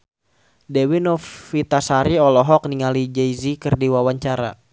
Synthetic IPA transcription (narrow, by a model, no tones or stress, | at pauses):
dɛwinɔfit̪asaɾiɔlɔɦɔk̚niŋalid͡ʒɛjzikərdiwawaɲt͡ʃaɾa̰